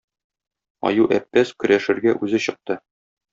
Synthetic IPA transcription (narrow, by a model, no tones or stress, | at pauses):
ɒ̰juʔæpːæskɵ̆ɾæʃɘ̆ɾɡæʔʉzɘɕɤ̆q̚t̪ɤ